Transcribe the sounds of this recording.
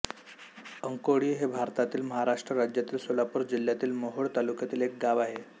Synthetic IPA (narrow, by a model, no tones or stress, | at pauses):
əŋkoɽiːɦebʱaɾt̪at̪iːlməɦaɾaʂʈɾəɾad͡ʑjat̪iːlsolapuːɾd͡ʑil̤jat̪iːlmoɦoɭt̪alukjat̪iːlek̚ɡaʋaɦe